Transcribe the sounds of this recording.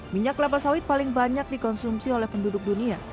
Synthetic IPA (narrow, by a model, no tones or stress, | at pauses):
miɲaklap̬asawɪt̪̚palɪŋbaɲak̚dikɔnsumsiolɛhpəndudʊk̚dunia